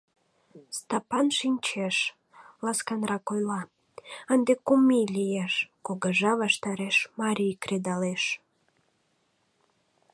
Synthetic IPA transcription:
st̪ɑpɑnʃinʲt͡ɕeʃ | lɑskɑnrɑkojlɑ | ənd̪ekumilʲijeʃkoɣəʒɑβɑʃt̪ɑɾeʃmɑɾʲijkred̪ɑleʃ

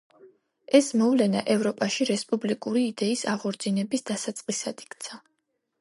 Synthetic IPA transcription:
ɛsmɔvlɛna̰ʔɛvɾɔpʼaʃiɾɛspʼublikʼuɾiːd̪ɛisaʁɔɾd̪zinɛbisd̪asat̪sʼqʼisad̪̥i̥kt̪sʰa

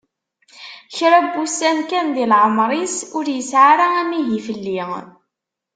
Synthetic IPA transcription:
çɾæbːusænkænðilʕəmɾˤisʊɾjəsʕaɾaæmiɦifəlːiŋ

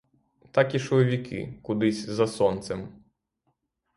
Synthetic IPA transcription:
t̪akiʃɔɔʋʲikɪ̰kʊd̪ɪsʲzɐsɔnt̪sɛm

